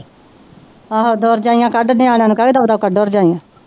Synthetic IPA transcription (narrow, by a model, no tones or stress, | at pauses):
aːɦod̪oːɾd͡ʒaːijãːkəɖnẽaːljãːnũːkaiːd̪aːbd̪aːkəɖoːɾd͡ʒaːijãː